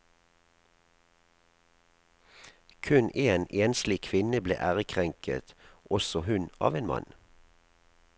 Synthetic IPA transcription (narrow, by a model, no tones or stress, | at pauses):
kʰʉnʔeːnʔeːnslɪkʰʋɪnəblḛːʔæːʁəkʰʁɛŋkʰə̰t̪ʔɔsɔhʉnʔɑ̰ːʋeːnmɑ̰n